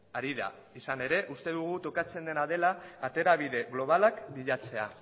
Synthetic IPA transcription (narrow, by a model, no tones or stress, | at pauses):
aɾiða̰ | isane̞ɾe̞ʔust̪e̞ðuɣ̞ut̪o̞kat͡se̞nd̪e̞naðe̞laːt̪e̞ɾaβiðe̞ɣlo̞β̞alakbiʎat͡se̞a̰